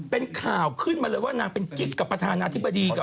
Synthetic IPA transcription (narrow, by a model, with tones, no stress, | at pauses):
pe˧nkʰaː˨˩wkʰɯ˥˩nmaː˧lɤː˧jwaː˥˩naː˧ŋpe˧nki˦˥k̚kːa˨˩pːɾa˧t̪ʰaː˧naː˧t̪ʰi˥bːa˧diː˧ka˨˩